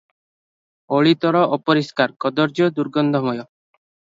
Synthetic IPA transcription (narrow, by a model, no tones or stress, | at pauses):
oɭit̪ɔɾɔʔɔpɔɾiskaɾkɔd̪ɔɾd͡ʒɔd̪uɾɡɔnd̪ʱɔmɔjɔ